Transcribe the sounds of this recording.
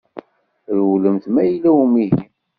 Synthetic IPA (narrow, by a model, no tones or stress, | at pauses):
ɾwləmθmæjlːæwmiɦim